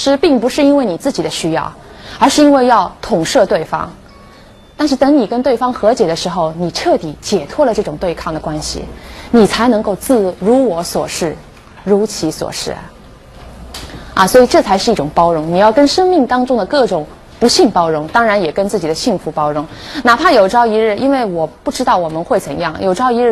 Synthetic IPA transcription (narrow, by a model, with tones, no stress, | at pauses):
ʂɻ̩˥pi˥˩ŋpu˧˥ʂɻ̩˥˧i˥nwe˥˩ɪni˨˩t͡sɹ̩˥˩t͡ɕi˨˩d̪ə˦ɕy˥jɑ̰˥˩ʊ | ə˞˧˥ʂɻ̩˥˧i˥nwe˥˧ɪjɑ˥˩ʊt̪ʰʊ˨˩ŋʂɤ˥˧t̪we˥˩ɪfɑ̰˥ŋ | t̪a˥˧nʂɻ̩˥˩t̪ɤ˧˥ŋni˨˩kə˥nt̪we˥˩ɪfɑ˥ŋxɤ˧˥t͡ɕjɛ˨˩d̪ə˦ʂɻ̩˧˥xo˥˧ʊni˨˩ʈ͡ʂʰɤ˥˩t̪i˧˥t͡ɕjɛ˨˩t̪ʰwɔ˥lə˨ʈ͡ʂɤ˥˩ʈ͡ʂʊ˨˩ŋt̪we˥˧ɪkʰɑ˥˩ŋd̪ə˩kwa˥nɕḭ˨˩ni˨˩t͡sʰa˧˥ɪnɤ˧˥ŋko˥˧ʊt͡sɹ̩˥˩ɻu˧˥wɔ˧˥swɔ̰˨˩ʂɻ̩˥˩ | ɻu˧˥t͡ɕʰi˧˥swɔ̰˨˩ʂɻ̩̰˥˩˨ | ɐ̰˧swɔ˧˥i˨˩ʈ͡ʂɤ˥˩t͡sʰa˧˥ɪʂɻ̩˥˧i˥˩ʈ͡ʂʊ˨˩ŋpɑ˥ʊɻʊ˧˥ŋni˨˩jɑ˥˩ʊkə˥nʂɤ˥ŋmi˥˩ŋt̪ɑ˥ŋʈ͡ʂʊ˥ŋd̪ə˨kɤ˥˩ʈ͡ʂʊ˨˩˦ŋ | pu˧˥ɕi˥˩ŋpɑ˥ʊɻʊ˧˥ŋt̪ɑ˥ŋɻa˧˥njɛ˨˩kə˥nt͡sɹ̩˥˩t͡ɕi˨˩d̪ə˦ɕi˥˩ŋfu˧˥pɑ˥ʊɻʊ˧˥ŋna˨˩pʰa˥˩jo˨˩ʊʈ͡ʂɑ˥ʊi˧˥ɻɻ̩˥˩ʔi˥nwe˥˩ɪwɔ˨˩pu˥˩ʈ͡ʂɻ̩˥t̪ɑ˥˩ʊwɔ˨˩mə˦nxwe˥˩ɪt͡sə˧˥ŋjɑ˥˩ŋjʔo˨˩ʊʈ͡ʂɑ˥ʊi˧˥ɻ̩˥˩